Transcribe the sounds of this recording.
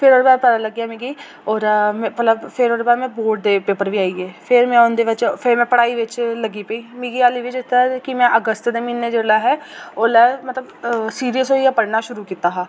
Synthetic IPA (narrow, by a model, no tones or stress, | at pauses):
pʰɪɾoːɾebaːɾpɛːd̪aːləɡjaːmĩːɡiː | ɔːɾmɛ̃ːmət̪ləbpʰɪɾoːɾeːbaːɾmɛ̃ːboːʈ̚d̪eːpeːpəɾʋiːaːiːɛːpʰɪɾmɛ̃ːʊnd̪eːʋɪt͡ʃpʰɪɾmɛ̃ːpəɽaːiːʋɪt͡ʃləɡiːpeiːmĩːɡiːaːliːʋɪt͡ʃɪt̪akɪmɛ̃ːʔəɡəst̪d̪eːmiːnːeːd͡ʒeːɽaːɦɛːoːlɛːmət̪ləbsiːɾijəsɦoːijaːpəɽnaːʃʊɾuːkiːt̪aːɦaː